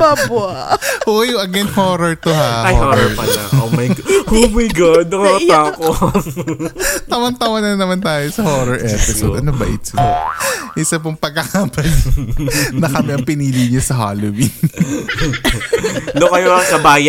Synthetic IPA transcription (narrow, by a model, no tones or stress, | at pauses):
aba | ʔojɐɡɛnhoːɾoɹt̪oɦaajoooɹpɐʃa̰ʔomajhowiɡʊd̪̚nɐŋɐŋɐt̪aːoko | t̪ɐwɐnt̪ɐwɐnɐnnɐmant̪aːjosɐhoːɾoɹʔɛpɪsod̪ʔɐnobɐ̰ʔɪt̪sɪo̰ʔɪsɐp̬oŋpɐɡ̚akapɐl | nɐkɐmɛɐŋpɪniːliɲosɐɦa̰ːlowin | nokɐjoɐŋkɐbaːjɐ